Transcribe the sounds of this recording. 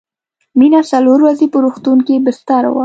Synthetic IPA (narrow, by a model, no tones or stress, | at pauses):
minasaloɾwazepəɾoxt̪unkebɪst̪ɑɾa̰wa̰